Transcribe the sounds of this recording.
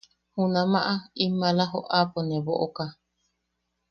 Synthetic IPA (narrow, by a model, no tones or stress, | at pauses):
hũnamaʔaimalaɦoʔaponeβoʔoka